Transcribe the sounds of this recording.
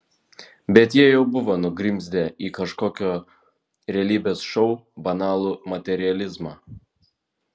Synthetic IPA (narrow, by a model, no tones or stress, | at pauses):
bʲɛt̪jiɛjɛʊbʊʋoːnʊɡɾʲɪmʲzʲd̪ʲɛiːkɐʃkoːkʲoː | ɾʲɛːlʲiːbʲeːsʃɔʊbɐnɑːlˠuːmɐt̪ʲɛɾʲɪɐlʲɪzmɑː